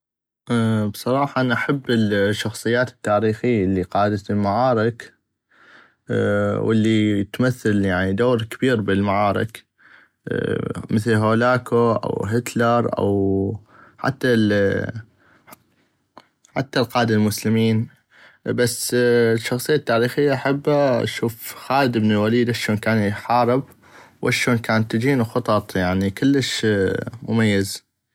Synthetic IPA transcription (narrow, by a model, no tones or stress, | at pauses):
ʔbsˤɑɾˤɑːħɑʔanaʔaħabːɪlʃːɑxsˤɨjːaːt̪ɪ̥t̪ːaːɾiːxɪjːlːiqɑːd̪at̪ɪlmaʕɑːɾɪk | wɪ̰lːit̪maθːaljaʕnid̪oːɾkɪbiːɾbɪlmaʕaːɾˤɪ̰k | mɪθlɦoːlaːkoʔa̰wɦɪt̪lɑɾˤʔa̰w | ħa̰t̪ːal | ħa̰t̪ːalqɑːd̪almʊslɪmiːn | basːʃːɑxsˤɨjːat̪ːaːɾiːxɪjːaʔaħabːaʃuːfxaːləd̪ɪbnɪlwaliːd̪ʔaʃoːnkaːnjħɑːɾɪb̚ | wʔaʃoːnkaːnt̪ːd͡ʒiːnuxɑt̪ˤɑt̪ˤjaʕnikɪlːəʃ | mʊmajːaz